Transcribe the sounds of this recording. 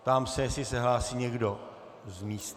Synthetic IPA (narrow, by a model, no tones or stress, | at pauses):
t̪amsɛjɛsɪsɛɦlaːsiːɲɛɡdo | zmiːst̪